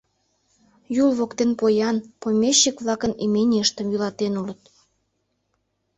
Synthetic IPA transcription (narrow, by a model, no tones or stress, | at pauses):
julβokt̪enpojɑnpomʲeɕːikβlɑkənimenʲeʃt̪ə̆mjylɑt̪enulət̪̚